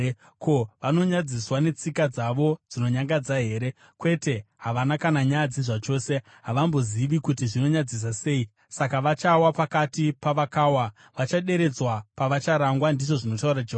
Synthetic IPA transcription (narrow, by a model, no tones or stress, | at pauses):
kʰo̞ʋano̞ɲad͡ziswane̞t͡sikad͡zaʋo̞d͡zino̞ɲaŋɡad͡zaɦe̞ːɾe̞ | kwe̞te̞ɦaʋanakanaɲajad͡ziʐat͡ʃo̞ːse̞ | ɦaʋambo̞ziʋikutiʐino̞ɲad͡zis̬ase̞ːi | sakaʋat͡ʃawapakatipaʋakaːwa | ʋat͡ʃaɗe̞ɾe̞d͡zwapaʋat͡ʃaɾaŋɡwandiʐo̞ʐino̞taurad͡ʒeɦ